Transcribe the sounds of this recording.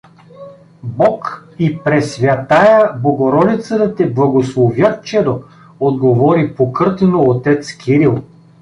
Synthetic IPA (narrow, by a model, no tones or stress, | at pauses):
bɔkipɾɛsvʲɐt̪ajəboɡoɾɔd̪it̪sət̪ət̪ɛblˠɐɡoslˠovjat̪t͡ʃɛd̪o | od̪ɡovɔɾipokɤɾt̪ɛnoːt̪ɛt̪skʲʰiɾilˠ